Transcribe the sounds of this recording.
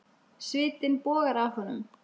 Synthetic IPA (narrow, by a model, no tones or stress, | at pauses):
svɪːt̪ɪnpɔːɣaɾaɔnːʏ̰m